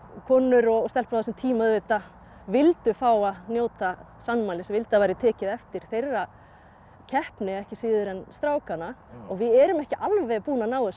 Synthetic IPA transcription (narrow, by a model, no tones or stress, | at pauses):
kʰɔːnʏɾɔɣst̪ɛlplaðasɛmt̪ʰiːmaʏðveːt̪a | vɪlt̪ʏfaːwanjoːwt̪a | sanmaːlɪsɛmvɪlt̪avajɾɪt̪ʰɛːcɪðɛft̪ɪɾ̥θejrːa | cʰɛhpnɪɛhcɪsiːðʏɾɛnst̪ɾaːwkanaɔɣvɪðɛɾʏmɛhcɪʔalvɛpuːnanaːwðʏs